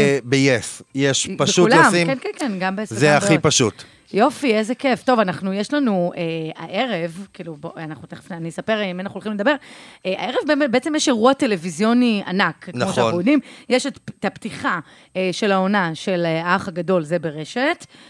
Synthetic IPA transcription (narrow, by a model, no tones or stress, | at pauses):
bejesjeʃpaʃuulomsimnkenkenɡambeeszeaipaʃut | jo̞fiezekeft̪o̞vanaχnujeʃlanuea̰ʔe̞ʁe̞vkiːluboanaχut̪eχe̥fneanisapeʁimanaχuolχimled̪ɐbe̞ʁea̰eʁevbemetbeet͡semjeʃeʁuate̞levizjo̞nia̰nakknoʃaodimjeʃett̪apt̪iχa | eʃe̞laonaʃeleaaχaɡado̞lzebeʁeʃet